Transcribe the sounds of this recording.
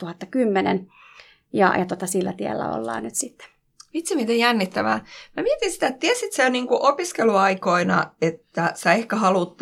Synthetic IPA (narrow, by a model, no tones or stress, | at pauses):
uhɑt̪ːɑkymːenḛn | jɑ̰jɑt̪ot̪ɑsilːæ̰t̪iḛlːæ̰o̰lːɑ̰ːnyt̪sit̪ːe̥ | ʋit̪simit̪ejjænːit̪ːæʋæ̰ːmæmiet̪insi̥t̪æet̪t̪iesit̪seniːŋkuʔopiskeluɑikoinɑ̰et̪ːæsæehkæhɑlut̪ː